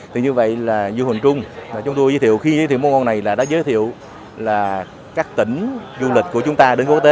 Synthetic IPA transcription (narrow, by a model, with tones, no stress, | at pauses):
t̪ʰɨ˨˩ɲɨ˧və̰˧˨jlaː˨˩zu˧hï˨˩ŋ̟t͡ɕʊ˧ŋ͡mvaː˨˩t͡ɕʊ˨˦ŋ͡mt̪o˧jzəː˨˦t̪ʰḭ˧˨əwxi˧zəː˨˦t̪i˧˨wmo˨˦ŋɔ˧na˨˩jlaː˨˩ɗa̰ː˧˥zəː˨˦jt̪ʰḭ˧˨əw | laː˨˩ | kaː˦˥k̚t̪ï˧˩˦ŋ̟zu˧lï˨˩k̟̚ku˧˩ət͡ɕʊ˨˦ŋ͡mt̪aː˧ɗe˨˦nku˦˥ək̚t̪e˨˦